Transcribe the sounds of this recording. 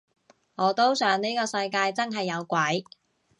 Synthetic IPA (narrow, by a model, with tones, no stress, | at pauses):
ŋɔː˨˧t̪o˥wsœː˨˧˥ŋni˥jkɔː˧sɐ˧jkaː˧jt͡sɐ˥nɦɐ˨jːɐ˨˧wkʷɐ˨˥j